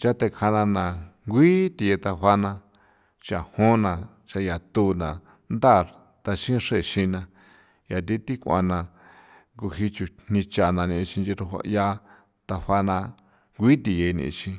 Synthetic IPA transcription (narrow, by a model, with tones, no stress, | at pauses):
t͡ʃa˦t̪e˧kʰa˧nã˧nã˨ŋɡʷi˦t̪i˧je˧t̪a˧ɸa˧nã˧ | t͡ʃa˨hõ˦nã˨ | t͡ʃa˧ja˨t̪u˧nã˨ | nd̪a˦˨ | t̪a˧ʃĩ˦ʂe˦˨ʃĩ˧nã˧ | ja˨t̪̬i˦t̪i˦kʷa̰˧nã˧ | ŋɡu˧hi˧t͡ʃu˧n̥ĩ˧t͡ʃa˧˨nã˧nĩ˧t͡ʃĩ˧nd͡ʒi˧ɾu˧hʷa̰˧ja˦ | t̪a˧ɸa˧nã˧ | ŋɡʷi˦t̪i˧je˧nḭ̃˧˨˧t͡ʃĩ˧